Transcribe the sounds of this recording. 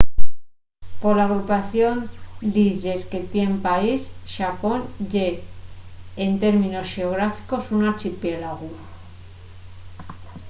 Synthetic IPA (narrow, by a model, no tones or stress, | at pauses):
po̞ɾlaːɣ̞ɾupaθjo̞nd̪iʝe̞ske̞t̪je̞mpaisʃapo̞nd͡ʒe | ent̪e̞ɾmĩno̞sxe̞oɣɾafi̥ko̞sunaɾt͡ʃipjelaɣu